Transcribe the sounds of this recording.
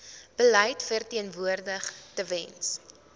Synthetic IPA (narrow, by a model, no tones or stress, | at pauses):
b̥əlɛjtfərtiənvuərdəχtəvɛns